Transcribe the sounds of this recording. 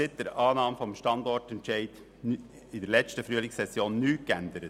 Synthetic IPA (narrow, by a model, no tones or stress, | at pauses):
ɪt̚d̥əɾɑːnɑːmfɔmʃtɑndɔrtɛntʃɛɪd | ɪdəɾlɛt͡stəfɾyəlɪksɛsjoːnːyːkænd̪əɾət